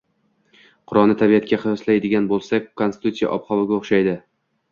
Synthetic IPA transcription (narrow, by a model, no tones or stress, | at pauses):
qʰʊɾɒlˠnɪt̪ʰabijat̪̚kʲaχɨjɒslajd̪ɪɡʲanbolˠsakʲkʰonsɪt̪ut̪sija̰ʔɒ̰pχɒvɪɡʲaoχʃajd̪ɪ